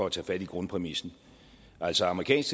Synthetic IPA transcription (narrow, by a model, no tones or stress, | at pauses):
ɒ̽æt͡sʰɛ̰ːfæd̥iɡ̥ʁɔ̽npʰʁɛmisn̩ | ʔæl̰sɒɑ̈məʁikʰɛ̰ːnsɡ̥